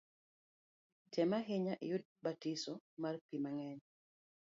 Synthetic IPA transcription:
tʰɛmaɦeɲaʔjʊd̚batisɔmarpimaŋɛɲ

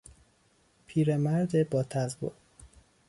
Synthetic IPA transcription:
pʰiːɾemæɾd̪ebɒːt̪ʰæzbo̰

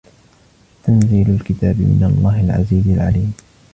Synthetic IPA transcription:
t̪anziːlalkɪt̪aːbɪmɪ̰nɑ̰lˤːɑːɦɪlʕa̰ziːzalʕa̰liːm

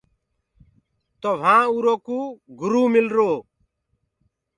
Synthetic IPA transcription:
t̪oʋ̤ʱãːuːɾoːkuːɡʊɾuːmɪlɾoː

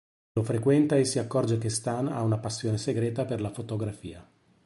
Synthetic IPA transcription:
lofɾekwɛnt̪aesːiakːɔrd͡ʒekest̪ana̰unapasːjoːneseɡɾɛːt̪aperlafot̪oɡɾafḭːa

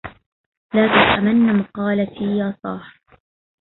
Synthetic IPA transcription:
laːt̪asˤʔamanːamʊqɑːlat̪iːjaːsˤɑ̰ːħ

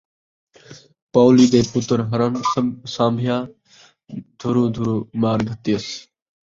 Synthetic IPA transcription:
paːliːd̪eːpʊt̪ɾɦəɾənsãːmbʱɪjaː | d̪̥ʱuɾũːd̪ʱuɾũːmaːɾɡʱət̪iːəs

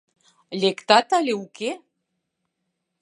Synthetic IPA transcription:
lʲekt̪ɑt̪ɑlʲeuke

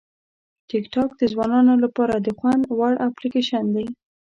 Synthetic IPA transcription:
ʈɪkʈɑk̚d̪əzwɑnɑnolapɑɾad̪əxwand̪waɽʔaplikeʃand̪aj

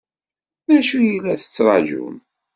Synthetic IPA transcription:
mæʃujilːæθə̥t͡sːɾˤɑd͡ʒṵn

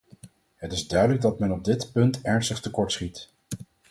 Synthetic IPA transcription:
ɦətɪzdœɥdələɡ̚dɑtmɛnɔb̚dɪtpɵntɛɹnstəχtəkɔɹtsχit

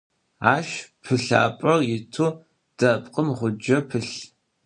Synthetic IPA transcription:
aːʃpʰɨɬa̰ːpʼɐrjɪtʰuː | d̥ɐpʼqʼəmʁʷʊd͡ʒɐpʰɨɬ

